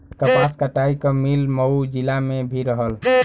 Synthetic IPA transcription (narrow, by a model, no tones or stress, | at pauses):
kəpaskəʈaikəmilməud͡ʒilamebʱiɾəɦəl